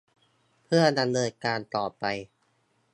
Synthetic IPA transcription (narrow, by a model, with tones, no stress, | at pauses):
pʰɯ˥˩ɐda˧mnɤː˧nkaː˧nt̪ɔː˨˩pa˧j